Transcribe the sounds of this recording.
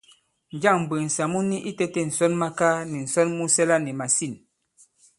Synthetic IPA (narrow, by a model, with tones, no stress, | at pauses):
n˨d͡ʒa˦˨ŋm̩˨bɨ˨n̩˨sa˨mu˦ni˦ʔi˦te˦tɛ˦˨n̩˨sɔ˦nma˦ka˦ni˨n̩˨sɔ˦nmu˦sɛ˦la˦ni˨ma˨si˦˨n